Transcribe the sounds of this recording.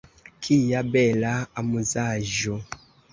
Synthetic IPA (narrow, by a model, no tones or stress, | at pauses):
kʰijabɛlaamuzaʒo